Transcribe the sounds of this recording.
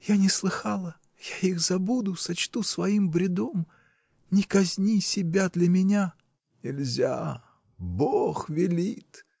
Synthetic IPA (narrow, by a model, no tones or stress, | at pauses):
janʲɪslˠɨxalˠə | jaixzɐbud̪ʊsɐt͡ɕt̪usvɐimbɾʲɪd̪om | nʲɪkɐzʲnʲisʲɪbʲad̪lʲɐmʲɪnʲa | nʲɪlʲzʲa̰ | boxvʲɪlʲit̪